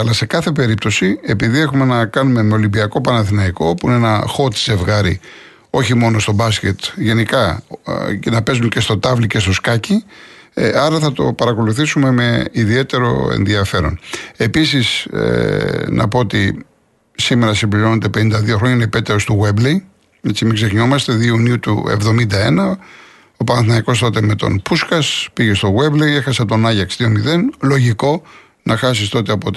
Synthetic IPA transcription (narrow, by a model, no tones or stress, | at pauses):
ɐlɐse̞kɐθe̞pe̞ɾip̚t̪o̞sie̞piðie̞xume̞nɐkɐnume̞me̞o̞limbiɐko̞pɐnɐθinɐiko̞puinenɐxo̞t̪ze̞vɣɐɾḭ | o̞çimo̞no̞st̪o̞bɐsce̞t̪ʝe̞nikɐ | nɐpe̞zunce̞st̪o̞t̪ɐvlice̞st̪o̞skɐci | ɐɾɐθɐt̪o̞̰pɐɾɐko̞luθisume̞me̞iðie̞t̪e̞ɾo̞̰ḛnðiɐfe̞ɾo̞̰ne̞pisis | nʔɐ̰po̞ot̪ḭ | sime̞ɾɐsimbliɾo̞nod̪epe̞nind̪ɐðioxɾo̞ɲɐinepet̪eost̪uɣweblej | et͡simiɡsexnio̞mɐst̪e̞ðiuniut̪ṵḛvðo̞mind̪ɐe̞nɐ | o̞pɐnθnɐiko̞st̪o̞t̪e̞me̞t̪o̰npuskɐspiʝe̞st̪o̞ɣwe̞blejexɐsɐt̪o̞nɐʝɐksðiomiðe̞nlo̞ʝiko̞ | nɐxɐs̬ist̪o̞t̪eɐpot̪